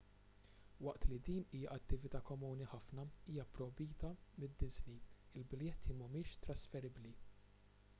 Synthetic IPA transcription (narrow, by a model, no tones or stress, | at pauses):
wɐʔt̪lid̪iːniːjɐʔɐt̪ːɪvɪt̪ɐːkɔmuːniħɐfnɐiːjɐpɾɔbiːt̪ɐmɪd̪ːɪzniɪlbɪljɛt̪ʰːimɐmɪːʃt̪ɾɐsfɛɾɪbli